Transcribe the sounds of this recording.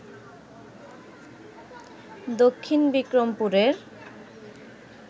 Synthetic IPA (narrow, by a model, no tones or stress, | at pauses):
d̪okʰːinbikɾompuɾeɾ